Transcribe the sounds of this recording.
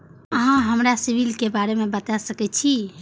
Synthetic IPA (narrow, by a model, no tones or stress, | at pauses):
əɦãɦəmɾasibilkebaɾemebət̪asəkɛt͡ʃʰi